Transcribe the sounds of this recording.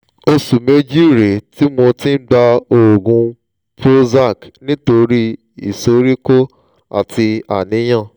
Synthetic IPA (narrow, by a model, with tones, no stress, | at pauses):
o˧su˨me˦d͡ʒi˦˨ɾe˨ti˦mo˧tĩ˦ɡ͡ba˧o˨o˨ɡũ˧ | pɾo˦za˦˨knĩ˦to˧ɾi˦ | ḭ˨so˨˦ɾi˦ko˦ | a̰˨ti˧a˨nĩ˨˦j̃ã˦˨